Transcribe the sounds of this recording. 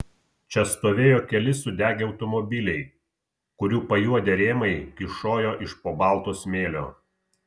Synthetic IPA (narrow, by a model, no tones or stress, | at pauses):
t͡ʃʲɛst̪oːʋʲeːjoːkʲɛlʲɪsʊd̪ʲæːɡʲeːɐʊt̪ɔmɔbʲɪlʲɛɪ | kʊɾʲuːpɐjuɔd̪ʲeɾʲeːmɐɪkʲɪʃoːjoːʔɪʃpoːbɑˑlˠt̪oːsmʲeːlʲo̰ː